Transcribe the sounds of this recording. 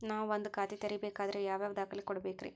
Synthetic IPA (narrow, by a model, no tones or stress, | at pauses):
naːʋɐnd̪ɯkaːt̪it̪ɛɾɪjɐbeːkaːðɪɾejaːʋeːʋd̪aːkːɐɭlɪkːɔɽɐbeːkːɪɾḛː